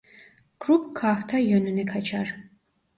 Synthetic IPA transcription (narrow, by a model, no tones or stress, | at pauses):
kɾupkʰaxt̪ʰajɔnunɛkʰat͡ʃʰɑɾ